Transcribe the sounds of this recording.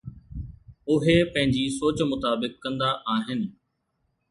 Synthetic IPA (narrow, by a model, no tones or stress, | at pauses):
ʊɦepɐ̃ɦɪ̃ɲd͡ʑisoːt͡ɕmʊt̪aːbɪkːɐ̃nd̪aʔaːɦɪnɪ̆